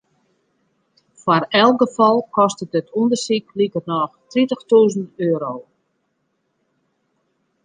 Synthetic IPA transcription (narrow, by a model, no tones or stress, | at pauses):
farɛl̚ˠɡəfɔlˠkɔstədətʰundərsik̚likərnɔxtritəxtuːzən̩øːɾoː